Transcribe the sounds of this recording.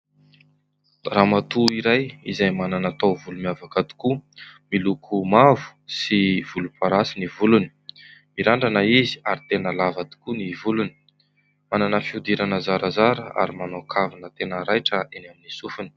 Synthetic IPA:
ramat̪uiɾajizajmananat̪awvulumiavakat̪u̥kumilukʰumavu̥siv̥ulupaɾasinivuluni̥miɾaɳɖ͡ʐanəizi̥aɾit̪enəlavat̪u̥kunivuluni̥ | mananəfiud̪iɾanəzaɾazaɾəa̰ɾimanokʰavanət̪enəɾajʈ͡ʂəʔenaminisufuni̥

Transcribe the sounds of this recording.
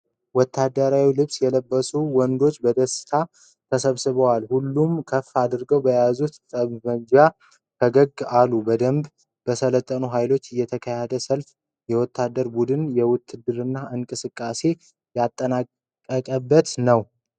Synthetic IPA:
wɔt̪ʰːad̪ːəɾawilɨβsjɛləbːəsuwɔnd̪o̞t͡ʃːbəd̪əsɨ̥t̪ʰa | t̪ʰəsəβsɨβəwalhulːumkʰəfːad̪ɨɾɡəwbəjazut̪t̪ʼəβməɲd͡ʒa | kʰəɡəɡːalːubəd̪əmb | b̥əsələt̪ʼːənuɦajlo̞t͡ʃːɨjːɛt̪ʰəkʰəjed̪əsəlf | jɛwɔt̪ʰːad̪ːəɾbud̪ɨnjɛwʊt̪ʰːɨd̪ɨɾɨnːaʔɨŋkʼɨsɨkʼːase̞ | jat̪ʼːənakʼː | əkʼəbːət̪nəw

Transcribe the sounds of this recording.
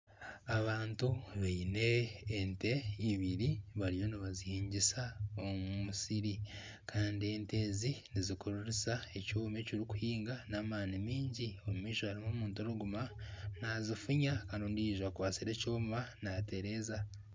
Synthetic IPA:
aβaːntuβeine̞ːnte̞iβiɾiβaɾijo̞niβazihiːɲɟisao̞mumusiɾi | kʰaːndie̞nte̞zinizikoɾuɾesae̞cuːmeciɾiku̥hiːŋɡanaːmaːnimiːɲɟio̞mumiːʃohaɾimomuːntoɾuɡumanazifuɲakaːndiondiiʒwakwaːsiɾe̞coːmβanate̞ɾe̞ːza

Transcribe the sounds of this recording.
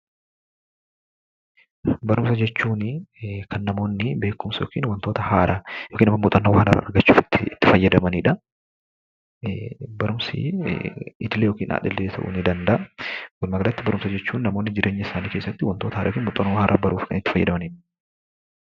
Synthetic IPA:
bɐɾʊmsɐd͡ʒɛt͡ʃːuːnkʰɐnːɐmo̞ːnːɪbe̞ːkːʊmsjo̰ːkiːnwɐnt̪oːt̪ɐhaːɾʔɐjokiːnɐmːɐmʊt̪ʼɐnːɐwhɐnɐ̰ɾɐɐ̰ɾɡɐt͡ʃːuːfɪt̪ːɪt̪ːɪ̥fɐjːɐd̪ɐmɐniːᶑɐ | bɐɾʊmsɪ̰ | ɪd̪ɪlejoːkiːnʔa̰ᶑɐlːeːt̪ɐʔṵnɪd̪ɐnd̪ɐʔɐwɔlmɐɡɐlɐt̪ːɪbɐɾʊmsɐd͡ʒɛt͡ʃːuːnnɐmo̞ːnːɪd͡ʒɪɾʔe̞ːɲːɐɪsaːniːkeːsːɐt̪ːɪwɐnt̪oːt̪ɐhaːɾɐ̰jkiːnmʊt̪ʼɐnɐwhaːɾʔɐbɐɾuːfkɐnɪt̪ːɪfɐjːɐ̰d̪ɐmɐniːᶑɐ̥

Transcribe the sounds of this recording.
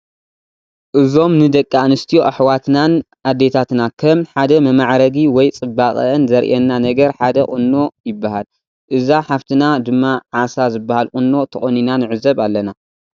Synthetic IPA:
ʔɨzo̞mnɨd̪ɐkʼːanɨst̪ʰijoʔaħwat̪nan | ʔad̪ːe̞t̪ʰat̪nakʰɐmħad̪ɐmɐmaʕɾɐɡiwɔjt͡sʼɨbːaχʼɐ̰ʔɨnzɐɾʔɛnːanɐɡɐɾħad̪ɐχʼɨnːo̞jɪbːahal | ʔɨzaħaβt̪ʰɨnad̪ɨmːaʕasazɨbːahalχʼɨnːo̞t̪ʰɐχʼoninanɨʕɨzɐβalːɐna

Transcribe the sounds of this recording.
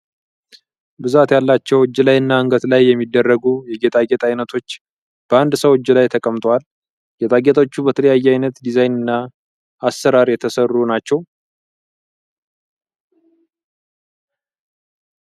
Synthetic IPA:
bɨzat̪jalːat͡ʃːɛwɨd͡ʒːlajɨnːaɨŋɡət̪lajːɛmːid̪ːərːəɡujɛɡet̪ʼaɡet̪ʼajnət̪ʰo̞t͡ʃː | b̥əand̪səwod͡ʒːlajt̪ʰəkʼəmt̪ʼwal | ɡɛt̪ʼaɡet̪ʼot͡ʃːubət̪ʰələjajːɛajnət̪d̪izajnɨnːa | asːəɾaɾjɛt̪ʰəsərːunat͡ʃːɛw

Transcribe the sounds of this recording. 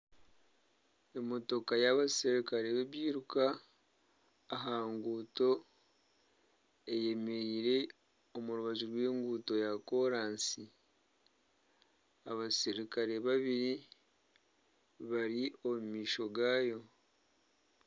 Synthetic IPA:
e̞mo̞to̞kajaβasiɾikaɾe̞βeβjiːɾuka | ɦaːŋɡuːto̞ | e̞je̞me̞ɾiːɾe̞ | omuɾuβaʒuɾweːŋɡuːto̞jako̞ɾaːnsi | aβasiɾikaɾe̞βaβiɾi | βaɾio̞mumiːʃo̞ɡaːjo̞

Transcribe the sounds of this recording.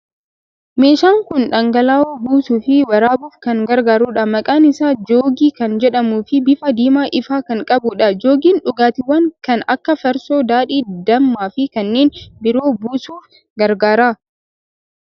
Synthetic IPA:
me̞ːʃaːŋkʊnᶑɐŋɡɐlaːoːbuːsuːfɪwɐɾaːbuːfkɐŋɡɐɾɡaːɾuːᶑɐmɐkʼaːnɪsaːd͡ʒoːɡiːkɐnd͡ʒɛᶑɐmuːfɪbɪfɐd̪iːmaːʔɪfaːkɐŋkʼɐbʊᶑɐd͡ʒoːɡiːnᶑʊɡaːt̪ɪwɐŋkɐnɐkːɐfɐɾso̞ːd̪aːᶑiːd̪ɐmːaːfɪkɐnːeːnbɪɾo̞ːbuːsuːf | ɡɐɾɡaːɾaː

